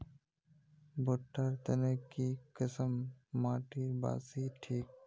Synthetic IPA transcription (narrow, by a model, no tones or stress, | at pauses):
bəʈːəɾt̪ɐnəkːikəsəmːaːʈiːba̰ːsiːʈʰiːk̚